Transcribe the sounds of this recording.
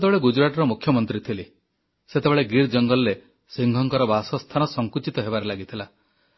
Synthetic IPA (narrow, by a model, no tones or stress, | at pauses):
t̪ebeɭeɡud͡ʒɾaʈɔɾɔmukʰːjɔmɔnt̪ɾit̪ʰili | set̪ebeɭeɡiɾd͡ʒɔŋɡɔlːe | siŋɡʱɔŋkɔɾɔbasɔst̪ʰanɔsɔŋkut͡ʃit̪ɔɦebaɾelaɡit̪ʰila